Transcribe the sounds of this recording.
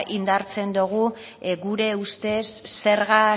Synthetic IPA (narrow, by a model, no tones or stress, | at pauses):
ʔind̪aɾt͡se̞nd̪uɣ̞u | ɣuɾe̞ust̪e̞sːe̞ɾɣa